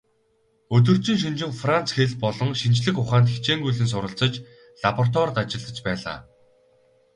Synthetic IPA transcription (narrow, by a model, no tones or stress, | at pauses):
ɵt̪̬ɵ̆r̥t͡ɕʰĭŋʃ̬int͡ɕɪ̆ŋfran̥t͡sxeɮpɔɮɞ̆ŋʃint͡ɕɮɘ̆xʊχaːnt̪xixʰt͡ɕeːŋɡujɮɘ̆ns̬ʊɾə̆ɬt͡sə̆t͡ɕ | ɮapɔr̥t̪wɔrt̪at͡ɕɪ̆ɮə̆t͡ɕpæːɮa̰ː